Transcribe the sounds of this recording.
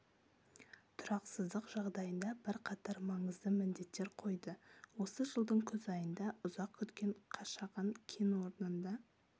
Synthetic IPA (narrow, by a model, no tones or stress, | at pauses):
t̪ʰʊɾɑqsəzd̪əqʒɑʁd̪ɑjənd̪ɑbɪɾqʰɑt̪ɑɾmɑɴəzd̪əmɪnd̪e̞t̪ːeɾqʰo̞jd̪əwo̞səʒəlˠd̪əɴkʲʰɵzɑjənd̪ɑʊzɑqkʲʰʏt̪kʲe̞ɴqʰɑʃɑʁɑnkʲʰenwo̞ɾnənd̪ɑ